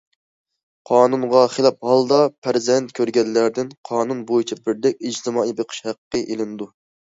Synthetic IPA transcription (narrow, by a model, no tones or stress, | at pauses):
qʰɑːnunʁɑχelˠɑp̚hɑlˠd̪ɑpʰæɾzɛnt̪̚kʲʰøɾɡʲɛnːæɾd̪ɪnqʰɑːnunbojit͡ʃʰɛbɪɾd̪ɛk̚ʲid͡ʒt̪ʰɪmɑːibeqʰə̥ʃhæqːəʔelɪnɪd̪u